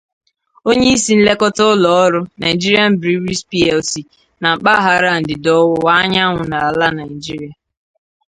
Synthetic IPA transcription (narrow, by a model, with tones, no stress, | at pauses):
o˦ɲe˦i˦si˦n̩˦le˦kɔ˦tɔ˦ʊ˦lɔ˨ɔ˦ɾʊ˦na˨i˨d͡ʒi˦ɾi˦a˦m̩˦bɾi˦ɾi˦spi˦ɛ˨lsi˨ | na˨ŋ͡m̩˨k͡pa˦ɦa˦ɾa˦˨n̩˨dɪ˨dɔ˦wʊ˦wa˦ɲa˦ŋʷʊ˨na˨a˨la˦na˨ɪ˨d͡ʒi˦ɾi˨a˨